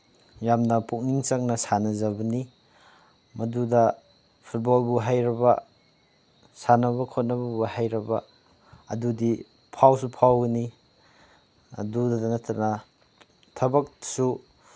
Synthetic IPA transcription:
jamnɐpʰuk̚niŋt͡ʃɐŋnɐsanɐzɐbɐni | mɐdudɐ | pʰut̚bolbuɦajɾɐbɐ | sanɐβɐkʰot̚nɐbɐbuhajɾɐbɐː | dudi | pʰawsupʰawɡɐni | ɐ̰dudɐdɐnɐtʰɐnɐ | tʰɐbɐk̚su

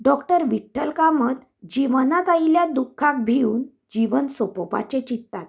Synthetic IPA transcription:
ɖɔkʈəɾʋiʈʰːəlkamət̪ | d͡ʑiʋənat̪ailjad̪ukʰːãk̚bʱiuːn | d͡ʑiʋənsopɔpa̰t͡ɕet͡ɕit̪ːat̪

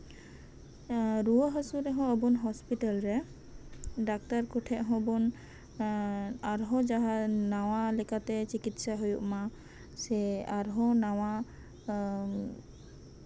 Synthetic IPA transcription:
ɾuəɦəsuɾɛɦɔ̃əbunɦɔspiʈalɾɛ | ɖak̚t̪aɾkɔʈʰɛʔɦɔ̃bɔn | aɾɦɔ̃d͡ʒaɦanawalɛkat̪ɛt͡ʃikit̪saɦojuʔma | sɛaɾɦɔ̃naw̃a

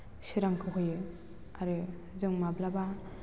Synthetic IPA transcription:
siɾaŋkʰɯɦojɯ | aɾɯ | zɯŋmablaba

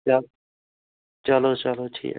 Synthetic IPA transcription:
t͡ʃa | t͡ʃalot͡ʃalot͡ʃʰḭː

